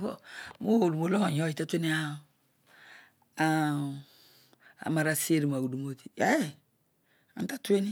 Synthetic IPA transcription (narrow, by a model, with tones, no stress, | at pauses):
o̰˨mo˦˨lu˨mo˦lo˦a˨ɲo˦i˨te˦tʷe˦ni˦a˦ | a˨ | a̰˨ma˨ɾa˨se˦ɾi˨ma˨ɡu˨du˨mo˦ti̥˨a˦e˦ | a̰˨n˦ta˦tu˦e˦ni˦